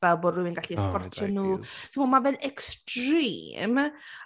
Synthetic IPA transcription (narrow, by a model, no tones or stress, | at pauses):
ɛlˠbɔdrʊwɪnɡaɬiɛskɔrtʰɔnuːsɪmɔmavɛlʔɛkstrḭːm